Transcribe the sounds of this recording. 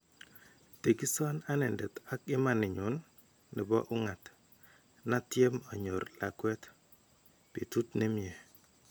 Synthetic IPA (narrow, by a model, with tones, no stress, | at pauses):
te˨ki˦sɔ˦na˦nɛ˨ndɛ˨ta˦kɪ˦ma˨nɪ˨ɲʊ˨nː | ɪ˨bɔ̰˦ʔʊ˦ŋa˨t | na˦tje˦mɔ˨ɲo˨rla̰˨kwɛ˦t | pi˨tu˦tne˦mje˨